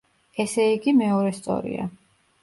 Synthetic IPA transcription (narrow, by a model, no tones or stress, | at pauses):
ɛsɛiɡimɛɔɾɛst̪sʼɔ̰ɾḭa̰